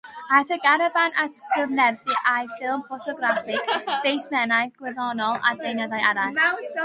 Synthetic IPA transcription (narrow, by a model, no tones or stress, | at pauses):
aθəɡaɾəbanʔatəvnɛvθiʔʔajfɪlˠmfɔtʰɔɡɾafɪkspejsmɛnajɡ̥wɪðɔnɔlˠa̰dejnəðajaɾa